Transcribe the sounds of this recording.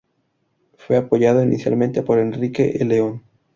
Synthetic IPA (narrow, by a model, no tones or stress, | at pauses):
fwe̞apo̞ʝaðoinisja̰lment̪epo̞ɾe̞nrike̞ʔeleon